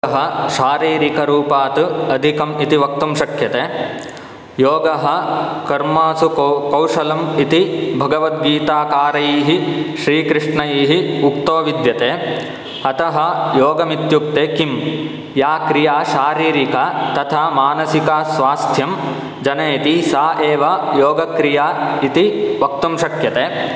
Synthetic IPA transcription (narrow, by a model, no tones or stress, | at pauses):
ɦɐ̆ʃaːɾiːɾikɐɾuːpaːt̪uɐd̪ʱikɐmit̪iʋɐk̚t̪umʃɐkʰjɐt̪eː | joːɡɐɦɐ̆kɐɾmaːsukɐwʂɐlɐmit̪ibʱɐɡɐʋɐt̪̚ɡiːt̪aːkaːɾɐjiːɦiʃɾiːkɾɪʂɳɐjiːɦiuk̚t̪oːʋid̪jɐt̪eː | ɐt̪ɐɦɐ̆joːɡɐmit̪juk̚t̪eːkim | jaːkɾijaːʃaːɾiːɾikat̪ɐt̪ʰaːmaːnɐsikaːsʋaːst̪ʰjɐm | d͡ʒɐnɐːt̪isaːʔeːʋajoːɡɐkɾijaːit̪iʋɐk̚t̪ɐmʃɐkjɐt̪eː